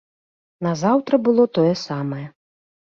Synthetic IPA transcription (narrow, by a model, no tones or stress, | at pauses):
nɐzawt̪ɾɐbɨlˠɔt̪ɔjɛsamɐjɛ